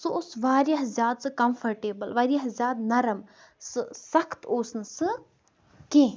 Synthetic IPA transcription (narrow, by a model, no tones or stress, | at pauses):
sɨosʋaːɾjɐɦzʲjaːd̪sɨkɐmfʰɐɾʈeːbɐlʋaːɾijɐɦzʲjaːd̪nɐɾɐm | sɨsɐkʰt̪oːsnɨsɨ | kẽː